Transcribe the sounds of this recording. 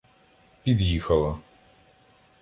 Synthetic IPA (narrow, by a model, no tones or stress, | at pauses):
pʲid̪jixɐlˠɐ